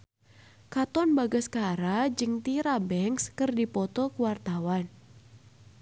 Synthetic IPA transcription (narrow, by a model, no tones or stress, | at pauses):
kat̪ɔnbaɡəskaɾad͡ʒɨŋt̪iɾabɛŋskɨrdipɔt̪ɔkəwart̪awan